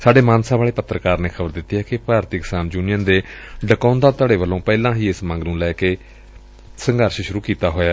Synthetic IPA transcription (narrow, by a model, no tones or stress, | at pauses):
saːɖeːmãːnsaːʋaːɭeːpət̪ːɾəkaːɾneːxʰəbəɾd̪ɪt̪ːiːɦɛːkɪpaːɾt̪iksaːmd͡ʒuːnɪjənd̪eːɖəkɔːnd̪aːt̪əɽeːʋəlːõːpɛːlãːɦiːɪsmə̃ŋɡnũːlɛːkeː | səŋɡəɾʃʃʊɾuːkiːt̪aːɦoːjaː